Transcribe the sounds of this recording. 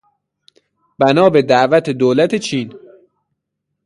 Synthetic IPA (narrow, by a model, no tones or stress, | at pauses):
b̥ænɒːbed̪æʔvæt̪ʰed̪oːlæt̪ʰet͡ʃʰiːn